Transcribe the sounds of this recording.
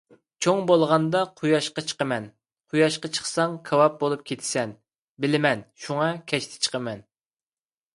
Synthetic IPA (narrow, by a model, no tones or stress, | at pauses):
t͡ʃʰoŋbolˠʁɑnd̪ɑqʰujɑʃqɑt͡ʃʰə̥qəmɛn | qʰujɑʃqɑt͡ʃʰə̥χsɑŋkʰɑwɑp̚bolˠup̚kʲʰet̪ʰɪ̥sɛn | bɪlɪmɛnʃuŋɑkʲʰɛʃt̪ʰɪ̥t͡ʃʰə̥qʰəmɛn